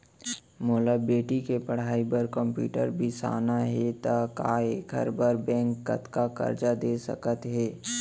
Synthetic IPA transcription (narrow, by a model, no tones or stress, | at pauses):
moːlabeːʈikepɐɽ̤aːipəɾkə̃mpjṵːʈə̰ɾbʱisa̰ːnaɦɛt̪aka̰ːeːkʰə̰ɾbəɾbɛ̃ːŋkːə̰t̪kakɐ̰ɾd͡ʒad̪eːsə̰kət̪ɦɛː